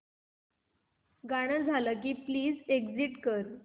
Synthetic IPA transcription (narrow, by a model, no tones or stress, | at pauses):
ɡaɽ̃əd͡zʱaləːk̬iːpliːd͡zeɡd͡ziʈkəɾ